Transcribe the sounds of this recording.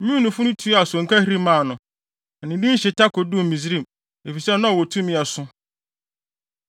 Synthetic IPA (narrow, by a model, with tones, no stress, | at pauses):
mĩ˦˨nʊ̃˨fʊ̃˦nʊ̃˦tʰu˨˦a˨sɔ˨ŋ̩˨kʰa˦hi˦ɾi˦mãː˦˨nʊ̃˨ | nɪ̃˨dĩ˦ɕɪ˨tʰa˦kʰɔ˨du˦˨mĩ˨zɾĩ˦˨m | e˨fi˨sɛ˦nã˦˨wɔ˨tʰũ˦mĩ˦a˨sʊ̃˦